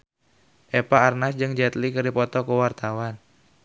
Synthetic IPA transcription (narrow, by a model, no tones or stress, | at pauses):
ʔɛpaːrnasd͡ʒɨŋd͡ʒɛt̪likərdipɔt̪ɔkuwart̪awan